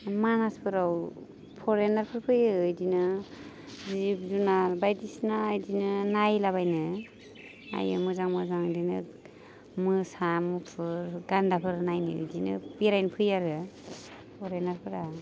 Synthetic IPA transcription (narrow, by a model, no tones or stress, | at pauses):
manaspʰɯɾaw | pʰɔɾenaɾpʰɯɾpʰɯjɯɯjdinɯ | zipzunaɾbajdisnajdinɯnajlaβajnɯ | a̰ja̰mɯzaŋmɯzaŋdinɯ̰ | mɯsamupʰɯɾɡandapʰɯɾnajnɯ̰ɯ̰jdinɯ̰piɾajnpʰɯjaɾɯ | pʰɔɾenaɾpʰɯɾa